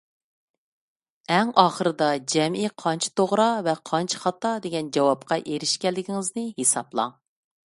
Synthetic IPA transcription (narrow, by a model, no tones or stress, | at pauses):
ɛŋɑːχəɾɨd̪ɑd͡ʒɛmiqʰɑnt͡ʃʰi̥t̪ʰoʁɾɑvɛqʰɑnt͡ʃʰi̥χɑt̪ɑd̪eɡʲɛnd͡ʒɑwɑp̚qʰɑʔeɾɪʃkʲɛlːɪkʲiŋɪznɪɦesɑ̰blˠɑ̰ŋ